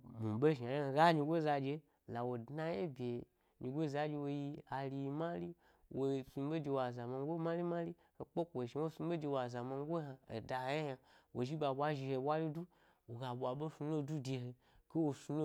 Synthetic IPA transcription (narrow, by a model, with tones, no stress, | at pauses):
mu˨bo˦ʒi˨a˨ja˦˨ɡa˦ɲi˧ɡʷo˦za˧d͡ʒe˧ | la˨wo˨dna˧je˦bʲe˨ | ɲi˧ɡʷo˦za˧d͡ʒe˧wo˧ji˧a˨li˧ji˧ma˦li˦ | wo˨su˧˦bo˦d͡ʒe˧wa˨za˨ma˧ŋ˦ɡo˦ma˦li˦ma˦li˦ | ho˨k͡po˦kʷo˨ʃi˨˦wo˦su˧˦o˦d͡ʒe˧wa˨za˨ma˧ŋ˦ɡʷo˦ɦa˧ḛ˨da˨˦a˦ja˧wo˨ʒi˦ba˨ɓʷa˦ʒi˧he˧˨wa˦li˦du˦ | wo˨ɡa˨ɓʷa˨ɓo˦su˧lo˦du˦de˧ɦe˧ | ke˦wo˧su˧lo˦